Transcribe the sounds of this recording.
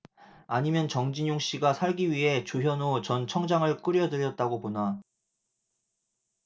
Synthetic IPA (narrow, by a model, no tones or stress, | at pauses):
aɲimjʌnt͡ɕʌŋd͡ʑiɲoŋɕ͈iɡasʰaɭɡiɥiɦe̞t͡ɕujʌnot͡ɕʌnt͡ɕʰʌŋd͡ʑaŋɯɭk͈ɯɾjʌdɯɾjʌt̚t͈aɡopona